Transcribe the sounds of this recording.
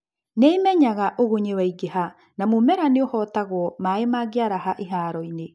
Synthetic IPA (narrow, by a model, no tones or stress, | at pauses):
neimɛɲaɣaʔoɣoɲewaiɡeɦa | namomɛɾaneohɔtaɣwɔmaemaːɡeaɾaɦaʔeɦaːɾɔine